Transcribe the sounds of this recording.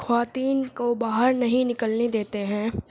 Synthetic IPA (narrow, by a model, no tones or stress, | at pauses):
xʰʋaːt̪iːnkobaːɦəɾnɐɦĩnɪkəlned̪eːt̪eɦɛ̃ː